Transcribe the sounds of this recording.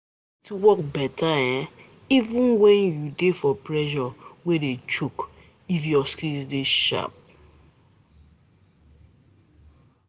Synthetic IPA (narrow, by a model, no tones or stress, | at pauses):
tuwɔk̚bɛtʰaɛ̃ | ivũnwɛ̃njudefɔpɾɛʒɔwedet͡ʃuk | ifjɔskizdeʃa̰p̚